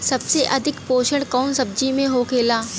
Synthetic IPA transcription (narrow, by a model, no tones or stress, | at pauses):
sɐbseʔɐd̪ʱɪkpoːʃəɽkɔːnsɐb̚d͡ʒimẽɦokʰeːlaː